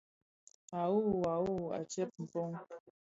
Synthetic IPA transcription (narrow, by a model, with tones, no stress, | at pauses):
a˨u˦˨a˨u˦˨a̰˨t͡ʃɛ˦p̚m̩˨po˦ŋ